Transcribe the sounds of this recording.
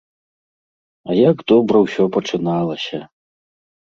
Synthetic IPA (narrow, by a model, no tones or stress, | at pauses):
ɐjaɡd̪ɔbɾɐwsʲɔpɐt͡ʂɨnalˠɐsʲɐ